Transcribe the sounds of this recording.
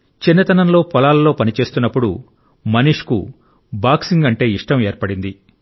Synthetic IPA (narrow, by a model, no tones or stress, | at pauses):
t͡ʃinːɐt̪ɐnɐnlo̞ːpɔlaːlɐlo̞ːpɐnit͡ʃe̞ːst̪unːɐpːuɽṵ | mɐniʂkṵ | baːksiŋɡɐɳʈe̞ːiʂʈɐme̞ːɾpɐɽind̪i